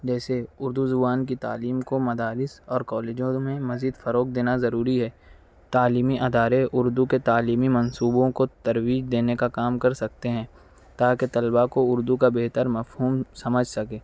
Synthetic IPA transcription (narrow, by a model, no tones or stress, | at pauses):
d͡ʒɛːseʊɾd̪uzʊbaːnkit̪a̰ːliːmkomɐd̪aːɾɪsɔːɾkɔːleːd͡ʒõmẽmɐziːd̪fɐɾoːk̚d̪eːnazɐɾuːɾiɦɛː | t̪aːliːmiʔɐd̪aːɾeʔʊɾd̪uket̪aːliːmimɐ̃nsuːbõkot̪ɐɾwiːd͡ʒd̪eːnekakaːmkɐɾsɐk̚t̪eɦɛ̃ː | t̪aːket̪ɐlbakoʊɾd̪ukabeːt̪əɾmɐfɦuːmsɐməd͡ʒʱsɐkeː